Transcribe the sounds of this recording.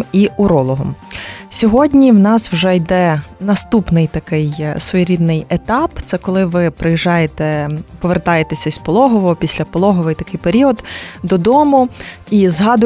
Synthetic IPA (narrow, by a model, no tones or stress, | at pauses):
iʊɾɔlˠɔɦɔ̰msʲɔɦɔdʲnʲiwnɑswʒɛjd̪ɛnɐst̪upnɪjt̪ɐkɪjsʋɔjiɾʲid̪nɪjet̪ɑpt̪sɛkɔlˠɪʋɪpɾɪjiʒɑjet̪ɛpɔʋert̪ɑjet̪esʲɐspɔlˠɔɦɔʋɔɦɔpʲisʲlʲɐpɔlˠɔɦɔʋɪjt̪ɐkɪjpeɾʲiɔd̪d̪ɔd̪ɔmʊ | izɦɑd̪ʊ